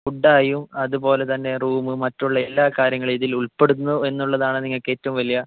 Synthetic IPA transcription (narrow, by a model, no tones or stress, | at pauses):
uɖːaːjumɐðupo̞ːle̞t̪ɐnːe̞ruːmɨmɐtːuɭːɐelːaːkaːɾjɐŋːɐɭiðiluɭpe̞ɽunːue̞nːuɭːɐðaːɳɨniŋːɐɭke̞ːtːɐʋumʋɐlijɐ